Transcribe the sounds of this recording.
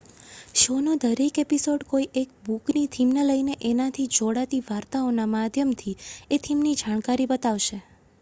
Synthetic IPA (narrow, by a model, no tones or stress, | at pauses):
ʃonod̪əɾekepisoɖkoiʔek̚buknit̪ʰimnələineʔenat̪ʰid͡ʒoɽat̪iʋaɾt̪aonamad̪ʱjəmt̪ʰiet̪ʰimnid͡ʒaɳkaɾibət̪aʋʃe